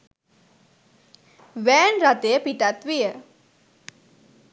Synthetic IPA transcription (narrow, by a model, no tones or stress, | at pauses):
ʋɛːnɾat̪ejəpiʈat̪ʋijə